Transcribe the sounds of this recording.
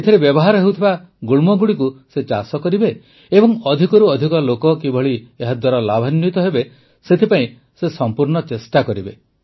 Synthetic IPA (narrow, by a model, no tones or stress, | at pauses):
et̪ʰɔɾebjɔbɔɦaɾɔɦewt̪ʰiba | ɡuɭmɔɡuɽikuset͡ʃasɔkɔɾibe | ebɔŋɔd̪ʱikɔɾuɔd̪ʱikɔlokɔkibʱɔɭieɦad̪waɾɔlabʱanjut̪ɔɦebe | set̪ʰipaĩ | sesɔmpuɾɳɔt͡ʃesʈakɔɾibe